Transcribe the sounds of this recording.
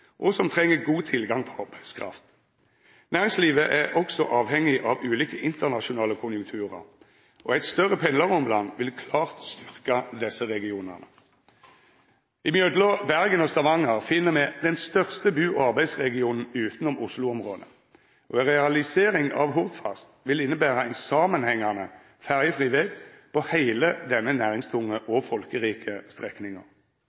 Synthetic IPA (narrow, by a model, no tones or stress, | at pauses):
ʔɔsɔmt̪ʰʁɛŋːəɡuːt̪ʰɪlɡɑŋpʰɔ̥ɑʁbæɪ̥skʰʁɑ̰ft̪ | næːʁɪŋsliːʋəʔæʁʔɔksɔʔɑːʋhɛŋːɪʔɑʋʉːliːkəʔɪnt̪əʁnɑʃʊnɑːləkʰʊnjʊŋk̚t̪ʰʉːʁə̰ʁ | ʔɔæɪt̪st̪œʁːəpʰɛnləʁɔmlɑ̰nʋɪlkʰlɑːʁt̪st̪ʏʁkɑd̪ɛsəʁɛɡɪuːnə̰ʁnə | ɪmjøːd̪loːbæʁɡənɔst̪ɑʋɑŋɑʁfɪnːəmɛd̪ɛnst̪œʁst̪əbʉːʔɑʁbæɪsʁɛɡɪuːnn̩ʉːt̪nʊmʔʊslʊɔmʁoːd̪ə | ʔɔɛʁɛɑlɪseːʁɪŋɑ̰ʋɦʊʁd̪fɑ̰st̪ʋɪlɪnːəbæːʁəæɪnsɑːmənhɛŋːɑnə | fæʁjəfʁiːʋɛɡpɔhæɪləd̪ɛnːənæːʁɪŋst̪ʰʊŋəʔɔfɔlkəʁiːkʰəst̪ʁɛknɪŋə̰ʁ